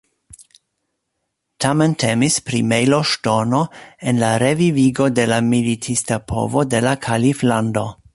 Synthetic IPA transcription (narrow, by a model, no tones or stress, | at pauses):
tʰame̞ntʰe̞mispɾimejloʃtono̞enlaɾe̞viviɡo̞de̞lamilitʰistapʰo̞̰vo̞de̞lakʰaliflando̞